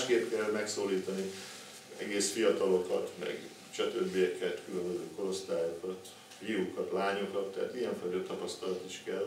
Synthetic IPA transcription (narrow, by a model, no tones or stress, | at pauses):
ʃkeːpkɛlmɛksoːliːt̪ɒni | ɛɡeːsfijɒt̪ɒlo̞kɒt̪mɛ̰ɡ | t͡ʃɛt̪øbːijɛkɛt̪kylø̞mbøzøːko̞ɾo̞st̪aːjokɒt̪ | fiukɒt̪laːɲokɒt̪ːɛɦa̰t̪iɛɱfɒjt̪ɒt̪ɒpɒst̪ɒlɒt̪iʃkɛl